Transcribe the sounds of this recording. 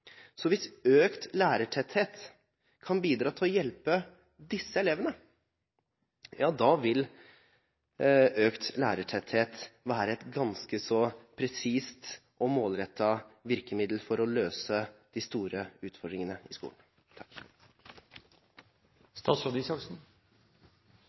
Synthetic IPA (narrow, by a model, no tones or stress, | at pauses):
sɔʋɪsøːkt̪læːɾəʈʰɛt̪heːt̪ | kʰɑnbiːd̪ɾɑːt̪ʰɪlɔjɛlpə | d̪ɪsːəɛleːʋənə | jɑːd̪ɑʋɪl | øːkt̪læ̰ːɾəʈʰɛt̪heːt̪ʋæːɾəɛt̪ɡɑnskəsɔpʰɾɛsiːst̪ʔɔmoːlɾɛt̪ʰːɑʋɪɾkəmɪd̪l̩fɔɾɔløːsəd̪̥ɪst̪uːɾəʉːt̪fɔɖɾɪŋənəɪskṵːln̩ | t̪ʰɑ̥k | st̪ɑːsod̪ɪsɑksn̩